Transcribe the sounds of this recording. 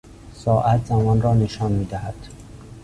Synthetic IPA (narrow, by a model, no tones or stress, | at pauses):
sɒːʔæt̪zæmɒnrɒːneʃɒnmiːd̪æhæd̪̥